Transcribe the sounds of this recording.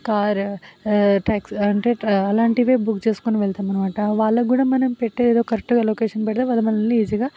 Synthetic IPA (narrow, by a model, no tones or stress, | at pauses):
kaːɾ | ʈaːksɐɳʈeɐlaːɳʈiʋeːbukt͡ʃeːsu̥koniʋɛɭt̪aːmɐnɐmaːʈɐʋaːɭːɐɡuːɽaːmɐnɐmpeʈːeːeːd̪oːkɐɾekʈːuɡaːloːkeːʂɐnpɛʈɐt̪eʋaːlːɐmɐlɐlːiːd͡ʒiɡaː